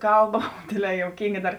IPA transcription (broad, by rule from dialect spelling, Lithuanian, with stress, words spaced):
ˈkɐlˠˌbɐ ˈdʲeːdʲˌlʲɛː joːʊˈkʲiːŋɡɐ ˈdɐr